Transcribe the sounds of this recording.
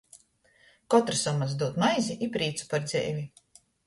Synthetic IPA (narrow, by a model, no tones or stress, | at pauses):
kɔt̪ɾasamaz̬d̪uɔt̪majziʔipɾiːt̪su̥paɾd̪zʲɛ̰jvʲi